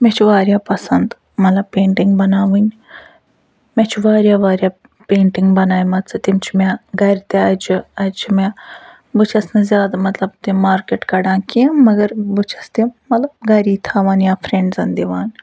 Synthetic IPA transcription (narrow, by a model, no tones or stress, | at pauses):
met͡ʃʰiʋaːɾjaːpɐsɐnd̪ | mɐt̪lɐb̚peːɳʈiŋɡbɐnaːʋɨnʲ | met͡ʃʰiʋaːɾʲjaːʋaːɾjaː | peːɳʈiŋɡbɐnaːjmɐt̪t͡sɨt̪imt͡ʃʰimʲeɡɐɾʲt̪eɐt͡ʃiɐt͡ʃʰime | but͡ʃʰɐsnɨzʲjaːd̪amɐt̪lɐbt̪imaːɾkeʈkɐɽaːkimɐɡɐɾbut͡ʃʰɐ̥st̪imɐt̪lɐb̚ɡɐɾiːt̪ʰaːʋaːnjaːfʰɾẽɳɖzɐnd̪iʋaːn